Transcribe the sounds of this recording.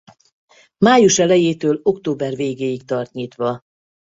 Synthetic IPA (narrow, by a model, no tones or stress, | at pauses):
maːjuʃɛlɛjeːt̪øːlo̞kt̪oːbɛrveːɡeːjik̚t̪ɒrt̪ɲiːt̪ʋɒ